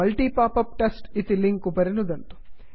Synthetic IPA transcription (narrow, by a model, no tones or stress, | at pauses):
ɐlʈiːpaːpɐp̚ʈɐsʈit̪iliŋkupɐɾinud̪ɐnt̪u̥